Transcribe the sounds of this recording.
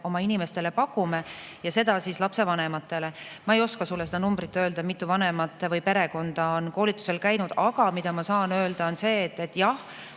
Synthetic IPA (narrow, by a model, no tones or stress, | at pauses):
o̞mɑinime̞st̪e̞le̞pɑkːˑumejɑse̞d̪̥ɑsislɑpse̞vɑne̞mɑt̪ːˑe̞lemɑe̞jo̞skɑsulːsed̪̥ɑnumbɾit̪ːø̞ːld̪ɑmit̪ːˑuvɑne̞mɑt̪ːˑevɯjpe̞ɾe̞ko̞nd̪̥ɑo̞nko̞ːlit̪ːˑu̥se̞lkæjnud̪̥ɑɡ̥ɑmid̪̥ɑmɑsɑːnø̞ːld̪̥ɑonse̞ːt̪ːˑet̪ːˑjɑh